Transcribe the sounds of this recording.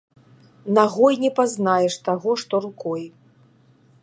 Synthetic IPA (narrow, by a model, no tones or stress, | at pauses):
naɣɔjnʲɛpaznajɛʂt̪aɣɔʂt̪ɔɾukɔj